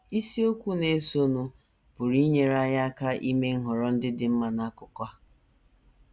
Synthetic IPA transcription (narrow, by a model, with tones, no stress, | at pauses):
i˦si˦o˦kʷu˦ne˦so˦nu˦ | pʊ˨ɾi˦ɲe˦ɾa˦ja˦ka˦ʔi˦me˦ŋ̩˦ɦʊ˨ɾɔ˦n̩˦dɪ˦dɪ˨m̩˦ma˦na˦kʊ˦kʷa˦